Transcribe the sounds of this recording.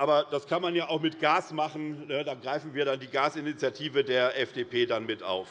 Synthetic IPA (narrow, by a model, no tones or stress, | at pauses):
ʔaːbɐd̥askʰanmanjaːʔaʊxmɪtɡ̥aːsmaχn̩nədaːɡʁaɪfn̩viːɐdandiːɡaːsɪnit͡sjatʰiːvədeːɐʔɛfd̥eːpʰeːdanmɪtʔa̰ʊf